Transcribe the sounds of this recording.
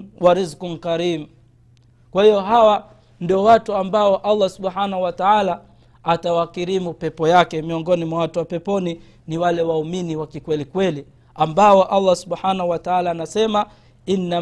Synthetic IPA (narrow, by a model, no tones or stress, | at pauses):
waɾizkun̩kaɾimu | kwahijɔɦawa | ndiɔwatuambaɔʔalˠˤːasuɓħanahuwataalaː | tawakiɾimupɛpɔjakɛmiɔŋɡɔnimwawatuwapɛpɔni | niwalɛwauminiwakikwɛlikwɛli | ambaɔʔalˤːasuɓħanahuwataalaːnasɛma | inːa